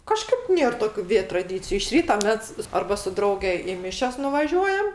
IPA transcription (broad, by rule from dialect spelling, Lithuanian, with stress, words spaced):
ˈkɑːʃkɐɪp ˈnʲeːr ˈtoːkʲʊ ˈʋʲeː trɐˈdʲiːt͡sʲɪjʊ ɪʃ ˈrʲiːtɐ ˈmʲɛs ˈɐrbɐ sʊ ˈdrɐʊɡʲɛ ɪ ˈmʲɪʃʲɛs nʊʋɐˈʒʲuɔjɛm